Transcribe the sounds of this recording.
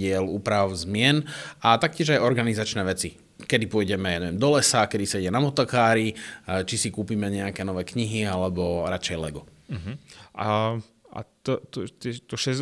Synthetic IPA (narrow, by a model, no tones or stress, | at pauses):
ɪɛluːpɾaʊzmɪɛnat̪ak̚cɪɛʒajɔɾɡanizat͡ʃnɛːʋɛt͡si | kɛd̪ipʊɔjɟɛmɛjaːɲɛʋɛmd̪ɔlɛsakɛd̪isɛɟɛnamɔt̪ɔkaːɾit͡ʃisikuːpiːmɛɲɛakɛːnɔʋɛːkɲiɦialɛbɔɾat͡ʃɛjlɛɡɔ | a | a̰t̪ɔt̪ɔt̪ɛt̪ɔʃɛz